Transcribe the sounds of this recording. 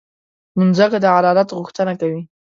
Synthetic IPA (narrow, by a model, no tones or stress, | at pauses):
mʊnzakad̪əʕaɾɑɾat̪ɣuxt̪ənakawi